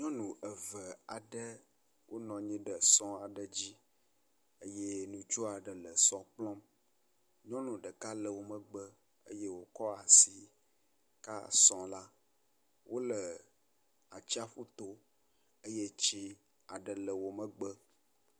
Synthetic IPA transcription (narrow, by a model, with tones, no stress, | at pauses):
ɲɔ̃˦nũ˨ʔə˨və˨a˨ɖə˦ | wʔo˦nɔ̃˨ɲĩ˦ɖə˨sɔ̃˦a˨ɖə˨d͡ʑi˦ | ə˦je˦nũ˨t͡ʃo˦a˨ɖə˨lə˨sɔ̃˦k͡plɔ̃˦m | ɲɔ̃˦nũ˨ɖə˨ka˦lə˨wo˦mə̃˨ɡ͡bə˦ | ə̰˦je˦wo˨kɔ˦a˨si˨ | ka̰˦sɔ̃˨la˦ | wʔo˦lə˨ | a˨t͡ɕi˦a˦ɸu˦t̪o˦ | ə˦je˦t͡ɕi˦ | a˨ɖə˨lə˨wo˨mə̃˦ɡ͡bə˦